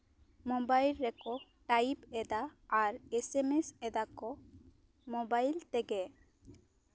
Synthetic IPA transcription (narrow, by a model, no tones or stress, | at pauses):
mɔbajlɾɛkɔ | ʈaibɛd̪aːɾɛsɛmesɛd̪akɔ | mɔbajlt̪ɛɡɛ